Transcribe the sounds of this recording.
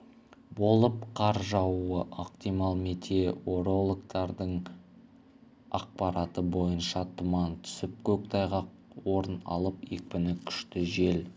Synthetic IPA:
bo̞lˠəp̚qʰɑɾʒɑwuəʔoqt̪ijmɑlˠmet̪ʰe̞o̞ɾo̞lˠokt̪ɑɾd̪əɴ | ɑq̚pɑɾɑt̪əbo̞jənʃɑt̪ʰʊmɑnt̪ʰʏ̥sɪp̚kʲʰɵk̚t̪ʰɑjʁɑ | wo̞ɾənɑ̰lˠəpek̚pɪnɪkʲʰʏ̥ʃt̪ɪʒe̞l

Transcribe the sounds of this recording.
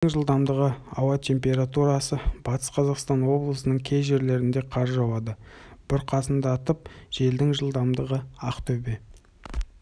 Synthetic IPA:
ŋʒəlˠd̪ɑmd̪əʁəɑwɑt̪ʰe̞mpʲe̞ɾat̪uɾɑsəb̥ɑt̪ʰə̥sqʰɑzɑqst̪ɑnwo̞blˠəsənəɴkʲʰe̞jʒe̞ɾle̞ɾɪnd̪e̞qʰɑɾʒɑwɑd̪ə | b̥ɪɾqʰɑsənd̪əːt̪əp̚ʒ̥e̞ld̪ɪŋʒəlˠd̪ɑmd̪əʁəɑqt̪ʰɵbe

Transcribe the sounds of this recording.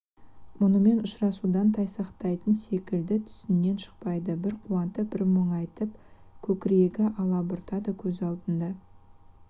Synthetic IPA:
mʊnəme̞nʊʃɾɑsud̪ɑnt̪ʰɑjsɑqt̪ɑjt̪ənse̞kʲɪld̪ɪt̪ʰʏ̥sɪnːe̞nʃə̥q̚pɑjd̪əbɪɾqʰuɑnt̪əbɪɾməɴɑjt̪əp | kʲʰɵkʲɪɾeɡʲɪʔɑlˠɑbʊɾt̪ɑd̪əkʲʰɵzɑlˠd̪ənd̪ɑ

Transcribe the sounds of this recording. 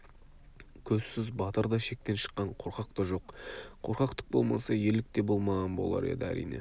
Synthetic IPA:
kʲʰɵzsɪzbɑt̪əɾd̪ɑʃe̞k̚t̪e̞nʃə̥qːɑɴqʰoɾqɑqt̪əʒo̞qqʰo̞ɾqɑqt̪ə̥q̚bo̞̰lˠmɑsɑje̞lɪk̚t̪e̞bo̞lˠmɑʁɑnbo̞̰lˠɑ̰ɾe̞̰d̪ɪæ̰ɾḭjne̞̰

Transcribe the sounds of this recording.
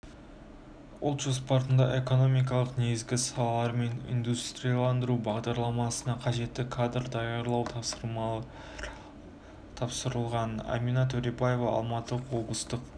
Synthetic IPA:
ʊ̰lˠt̪ʒ̥ospɑɾt̪ənd̪ɑ̰ʔe̞ko̞no̞mijk̬ɑlˠəqne̞ɡɪzɡʲɪsɑlˠɑlˠɑɾme̞nḭnd̪ust̪ɾijɑlˠɑnd̪əɾubɑʁd̪ɑɾlˠɑmɑsənɑqʰɑʒe̞t̪ːɪkʰad̪rd̪ɑjɑɾlˠɑwt̪ʰɾ | t̪ʰɑpsəɾəlˠʁɑna̰minɑt̪ʰɵɾebaje̞vɑɑ̰lˠmɑt̪əwo̞blˠəst̪əq

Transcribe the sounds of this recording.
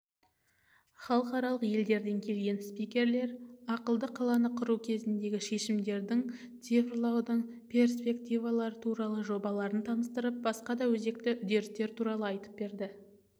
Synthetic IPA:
χɑlˠəqɑɾɑlˠəqje̞ld̪e̞ɾd̪e̞ŋkʲʰe̞lɡʲe̞nspijkʲe̞ɾle̞ɾɑqəlˠd̪əqʰːɑlˠɑnəqʰʊɾukʲʰe̞zɪnd̪e̞ɡʲɪʃe̞ʃɪmd̪e̞ɾd̪ɪŋ | t̪sivrlˠɑwd̪əɴ | pʲʰe̞rspʲe̞kt̪ijvɑlˠɑɾət̪ʰuɾɑlˠəʒo̞bɑlˠɑɾənt̪ʰɑməst̪əɾəp̚bɑsqɑd̪ɑwɵze̞k̚t̪ɪʔʏd̪e̞ɾɪst̪e̞ɾt̪ʰuɾɑlˠəɑjt̪ə̥p̚be̞ɾd̪ɪ

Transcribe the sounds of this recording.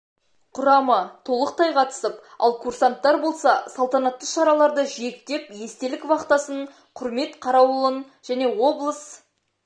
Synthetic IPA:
qʰʊɾɑmət̪ʰo̞lˠəqt̪ʰɑjqʰɑt̪ə̥səpɑ̰lˠkʰuɾsant̪ːɑɾbo̞lˠsɑsɑlˠt̪ɑnɑt̪ːəʃɑɾɑlˠɑɾd̪əʒek̚t̪e̞pje̞st̪e̞lɪkvɑqt̪ɑsəɴ | qʰʊɾme̞t̪qʰɑɾɑwlˠən | ʒ̥æne̞wo̞blˠəs

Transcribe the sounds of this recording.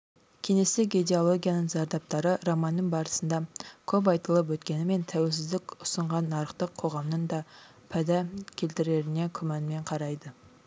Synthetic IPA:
kʲʰene̞st̪eɡʲed̪eolˠo̞ɡʲijanəɴzɑɾd̪ɑp̚t̪ɑɾəɾomɑnːəɴbɑɾəsənd̪ɑkʲʰɵp̬ɑjt̪əlˠəp̬wɵt̪kʲe̞nɪme̞nt̪ʰæwe̞lʲsɪzd̪ɪkʲʊsəɴʁɑnːɑɾəqt̪əqʰo̞ʁɑmnəɴd̪ɑ | pʰæd̪ækʲʰe̞lt̪ɪɾe̞ɾɪne̞kʲʰʏmɑnme̞ɴqʰɑɾɑjd̪ə

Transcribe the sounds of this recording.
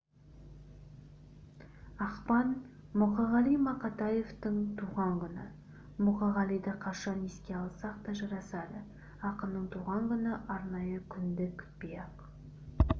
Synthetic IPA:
ɑqpɑn | mʊqɑʁɑlˠijmɑqɑt̪ɑje̞vt̪əɴt̪ʰuʁɑŋkʲʏnɪ̰ | mʊqɑʁɑlˠijd̪ɪqʰɑʃɑneskʲe̞ɑlˠsɑq̚t̪ɑʒɑɾɑsɑd̪ə | ɑqəmnəɴt̪ʰuʁɑŋɡʲʏnɪʔɑɾnɑjəkʲʰʏnd̪ɪkʲʰbijɑq

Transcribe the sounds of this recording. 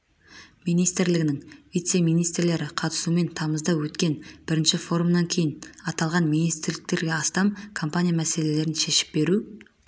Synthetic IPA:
mijnijst̪ɪɾlɪɡʲɪnɪŋvijt̪se̞mijnijst̪ɾle̞ɾɪqʰɑt̪ə̥sume̞nt̪ʰɑməzd̪ɑwɵt̪kʲe̞nb̥ɪɾɪnʃɪfo̞ɾumnɑŋkʲʰe̞jɪnɑt̪ɑlˠʁɑnmijnijst̪ɪɾlɪk̚t̪e̞ɾɡʲe̞ɑst̪ɑmkʰompanʲijamæse̞le̞le̞ɾɪnʃe̞ʃɪ̥p̚be̞ɾu

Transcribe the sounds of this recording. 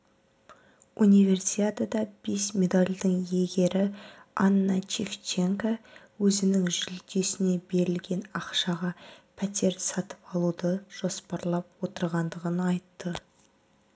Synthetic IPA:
unijve̞rsit̪ʲet̪ad̪ɑb̥e̞smʲe̞d̪alʲd̪əɴje̞ɡʲe̞ɾɪɑnːɑt͡ʃeft͡ʃe̞ŋka | wɵzɪnɪŋʒɪlt̪e̞sɪne̞be̞ɾɪlɡʲe̞nɑqʃɑʁɑpʰæt̪e̞ɾsɑt̪ə̥pɑlˠud̪əʒ̥o̞spɑɾlˠɑp̚wo̞t̪əɾʁɑnd̪əʁənɑjt̪ːə

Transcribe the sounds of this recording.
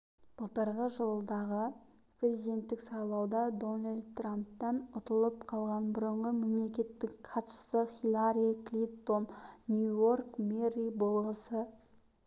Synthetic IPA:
b̥əlˠt̪əɾʁəʒəlˠəd̪ɑʁə | pʰɾe̞zijd̪ʲe̞nt̪ːɪksɑjlˠɑwd̪ɑd̪o̞nalʲd̪̚t̪ramp̚t̪ɑnʊt̪əlˠəp̚qʰɑlˠʁɑnbʊɾəɴʁəme̞mle̞kʲe̞t̪ːɪkqʰɑt̪ə̥st̪əχʲilˠaɾijklʲipt̪onːʲjuorkmerijbolˠəsə

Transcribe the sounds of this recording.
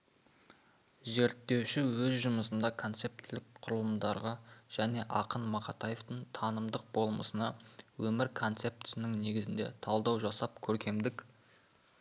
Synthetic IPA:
ʒe̞ɾt̪ːe̞wʃɪwɵzʒʊməsənd̪ɑkʰo̞nt̪se̞p̚t̪ʰɪlɪk̚qʰʊɾəlˠəmd̪ɑɾʁɑʒ̥æne̞ʔɑ̰qənmɑqɑt̪ɑje̞ft̪əɴt̪ʰɑnəmd̪əq̚bo̞lˠmə̰sənɑwɵmɪɾkʰo̞nt̪se̞p̚t̪nɪŋne̞ɡʲɪzɪnd̪e̞̰t̪ʰɑlˠd̪ɑwʒɑsɑp̚kʲʰɵɾkʲe̞md̪ɪk

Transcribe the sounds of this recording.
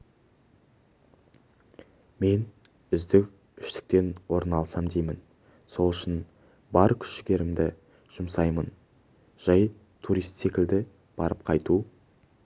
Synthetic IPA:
me̞n | ʏzd̪ɪkʲ | ʏʃt̪ɪ̥k̚t̪e̞nwo̞ɾənɑlˠəsɑmd̪ejmɪn | so̞lˠʏʃɪn | bɑɾkʲʰʏ̥ʃɪɡʲe̞ɾɪmd̪ɪ | ʒ̥ʊmsɑjmən | ʒ̥ɑj | t̪ʰuɾijst̪se̞kʲɪld̪ɪ | b̥ɑɾəp̚qʰɑjt̪u

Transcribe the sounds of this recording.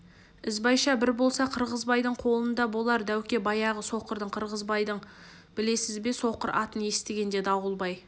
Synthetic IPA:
ɪzbɑjʃɑbɪɾbo̞lˠsɑqʰəɾʁəzbɑjd̪əɴqʰo̞lˠənd̪ɑbo̞lˠɑɾd̪æwkʲe̞bɑjɑʁəso̞qəɾd̪əɴqʰəɾʁəzbɑjd̪əɴ | b̥ɪle̞sɪzbe̞so̞qəɾʔɑ̰t̪əne̞st̪eɡʲe̞nd̪e̞d̪ɑwəlˠbɑj

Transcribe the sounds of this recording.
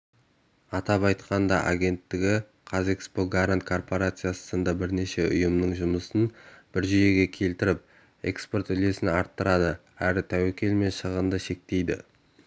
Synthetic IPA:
ɑt̪ɑpɑjt̪qɑnd̪ɑʔa̰ɡʲe̞nt̪ːɪɡʲɪ | qʰɑzekspoɡaɾant̪̚kʰo̞rpo̞ɾat̪sɨjassənd̪ɑbɪɾne̞ʃe̞ʊ̰jəmnəɴʒʊməsənb̥ɪɾʒʏje̞ɡʲe̞kʲʰe̞lt̪ɪɾɪp̚ | e̞̰kspo̞rt̪ʏle̞sɪnɑɾt̪ːəɾɑd̪ə | æɾɪt̪ʰæwekʲe̞lme̞nʃəʁənd̪əʃe̞k̚t̪e̞jd̪ɪ̰

